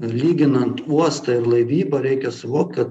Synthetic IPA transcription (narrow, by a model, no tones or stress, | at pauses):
lʲiːɡʲɪnɐnt̪uɔst̪ɐɪɾlˠɐɪʋʲiːbɐɾʲɛɪkʲɛsʊʋoːk̚t̪kɐt̪